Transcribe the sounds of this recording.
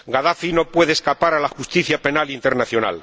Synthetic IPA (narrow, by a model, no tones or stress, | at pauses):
ɡaðafino̞pwe̞ðeskapaɾalaxust̪iθjape̞nalint̪e̞ɾnaθjo̞na̰l